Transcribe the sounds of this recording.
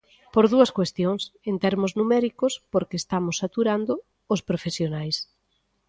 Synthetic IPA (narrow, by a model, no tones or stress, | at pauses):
poɾðuɐskwest̪joŋsent̪ɛɾmʊznumɛɾikʊspoɾkest̪amʊsːat̪uɾand̪ʊː | spɾofesjonajs